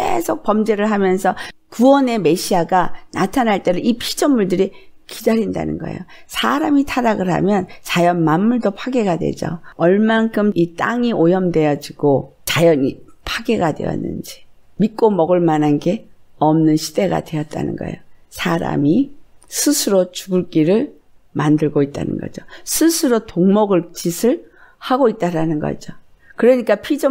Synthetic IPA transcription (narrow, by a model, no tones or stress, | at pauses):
kke̞sʰok̚p͈ʌmd͡ʑe̞ɾɯɭɦamjʌnsʰʌkuwʌne̞me̞ɕʰiaɡanatʰanɦaɭt͈e̞ɾɯipʰid͡ʑʌnmuɭdɯɾikidaɾinda̰nɯ̰nɡʌ̰ḛjosʰaɾamitʰaɾaɡɯɭɦa̰mjʌnt͡ɕajʌnmamːuɭdopʰaɡe̞ɡadwe̞̰d͡ʑo̰ʌɭmankʰɯmit͈aŋiojʌmdwe̞jʌd͡ʑiɡ̥ot͡ɕajʌɲi | pʰaɡeɡadwe̞̰jʌ̰nːɯ̰nd͡ʑi | mik͈omʌɡɯɭmananɡe̞ʌmnɯnɕʰi̥d̥e̞ɡa̰dwe̞ʌt̚t͈a̰nɯ̰nɡʌ̰ḛjosʰaɾa̰misʰɯsʰɯɾot͡ɕuɡɯɭk͈iɾɯɭ | mandɯɭɡoit̚t͈a̰nɯ̰nɡʌ̰d͡ʑosʰɯsʰɯɾotoŋmʌɡɯɭt͡ɕisʰɯɭ | haɡoit̚t͈aɾanɯnɡʌ̰d͡ʑo | kɯɾʌɲik͈apʰid͡ʑo